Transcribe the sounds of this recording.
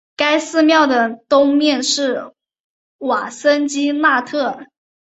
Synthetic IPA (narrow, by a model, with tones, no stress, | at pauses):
ka˥ɪsɹ̩˥˧mjɑ˥˩ʊd̪ə˩t̪ʊ˥ŋmjɛ˥˧nʂɻ̩˥˩ | wa˨˩sə˥nt͡ɕi˥na˥˧t̪ʰɤ˥˩